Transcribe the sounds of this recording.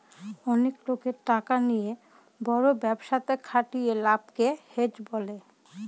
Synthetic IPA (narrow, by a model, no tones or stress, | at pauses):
ɔneklokeɾʈakanije | bɔɾobɛbʃat̪ekʰaʈijelab̚kehed͡ʑbole